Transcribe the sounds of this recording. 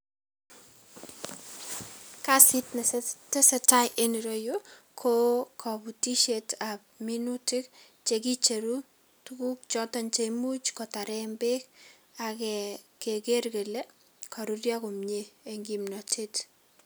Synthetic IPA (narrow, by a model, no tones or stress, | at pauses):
kasitnstesɛtajʔeniɾojo | kʰokʰabutiʃetap̚minutɪk | t͡ʃekit͡ʃeɾu | tukuk̚t͡ʃɔtɔnt͡ʃemut͡ʃkɔtaɾɛmbek̚ | akɛkekerkele | kʰaɾurjakʊmɲeeŋɡimnɔtʰet